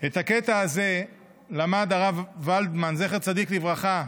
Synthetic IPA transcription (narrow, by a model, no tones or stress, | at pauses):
et̪haket̪aːze̞ | lamad̪aʁavːald̪manzeχeʁt͡sad̪iklivʁaχa